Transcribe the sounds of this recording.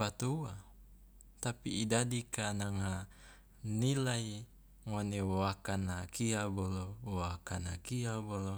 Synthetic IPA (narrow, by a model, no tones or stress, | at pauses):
at̪uwa | t̪apiːdadikanaŋɦa | nilai | ŋonewoakanakiabolowoakanakiabolo